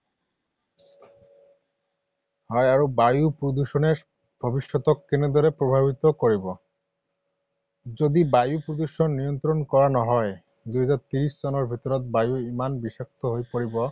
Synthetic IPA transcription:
ɦɔeaɾobajupɾod̪uʃone | b̥ʱɔbiʃːot̪okːenod̪ɔɾepɾobʱabʱit̪okoɾibo | d͡ʑod̪ibajupɾod̪uʃonːijont̪ɾonkɔɾanɔɦɔe | d̪uɦad͡ʑaɾt̪iɾiʃd͡ʑɔnoɾbʱit̪oɾot̪̚bajuimanbiʃak̚t̪oɦojpoɾibo

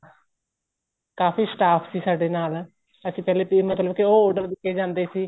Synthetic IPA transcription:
kaːfiːsʈaːpʰsiːsaːɖeːnaːl | əsĩːpɛːleːpimət̪ləbkɪoːoːɖəɾd̪ɪkʰːeːd͡ʒãːnd̪eːsiː

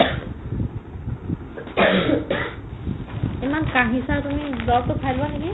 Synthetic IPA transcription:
emankaɦisaɹtumidɔtʊpʰajlbatʰaɡi

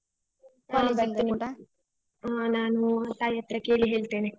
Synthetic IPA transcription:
abɐt̪ːiniʈɐ | aːnaːnut̪aːjɐt̪ɾɐke̞ːɭiɦeːɭt̪eːne

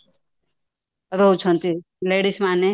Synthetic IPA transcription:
ɾoɦut͡ʃʰʌnt̪i | leɽismane

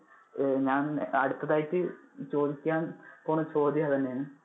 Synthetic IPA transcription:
ɲaːnɐ̰ɽut̪ːɐðaːjitːɨt͡ɕo̞ːd̪ikʲːaːnpoːɳɨt͡ɕo̞ːd̪ijat̪ɐnːejaːɳɨ

